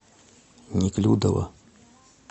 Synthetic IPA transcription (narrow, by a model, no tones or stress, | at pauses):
ɲiklʲuud̪awa̰